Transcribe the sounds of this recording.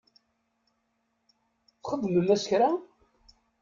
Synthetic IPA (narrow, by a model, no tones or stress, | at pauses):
θχəðːməlæsçɾa